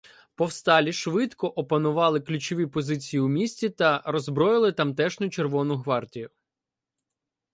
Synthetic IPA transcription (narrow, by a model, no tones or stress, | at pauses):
pɔwst̪ɑlʲiʃʋɪt̪kɔʔɔpɐnʊʋɑlˠɪklʲʊt͡ʃɔʋʲipɔzɪt͡sʲijiumʲisʲtʲit̪ɐɾɔzbɾɔjɪlˠɪt̪ɐmt̪ɛʃnʊt͡ʃerʋɔnʊɦʋɑrtʲijʊ